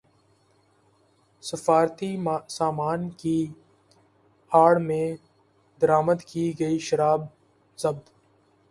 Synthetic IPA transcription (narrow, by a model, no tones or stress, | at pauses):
səfaːɾt̪isaːmaːnki | aːɽmẽ | d̪əɾaːməd̪kiːɡəiʃəɾaːb | zɐb̚d̪